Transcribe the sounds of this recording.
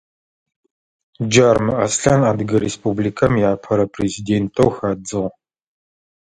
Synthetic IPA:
d͡ʒarmɨʔɐsɬɐnaːdɡɐɾespublikʰɐmjaːpʰɐɾɐpʰreziːdeːntʰowxɐːd͡zɨʁ

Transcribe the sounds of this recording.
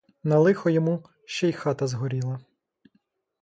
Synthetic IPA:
nɐlˠɪxɔjɔmu | ʃt͡ʃɛjxɑt̪ɐzɦɔɾʲilˠɐ

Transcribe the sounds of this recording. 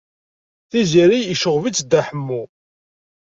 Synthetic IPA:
θiziɾijiʃəʁvit͡sːd̪æħəmːu

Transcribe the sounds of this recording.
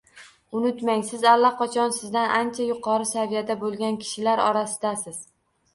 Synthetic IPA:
ʊnɪt̪maŋsɪzalˠːaqʰɒt͡ʃʰɒnsɪzd̪anʔant͡ʃʰajʊqʰɒɾɪsavijad̪abolˠɡʲankʲʰɪ̥ʃɪlaɾɒ̰ɾasɪd̪asɪz̥

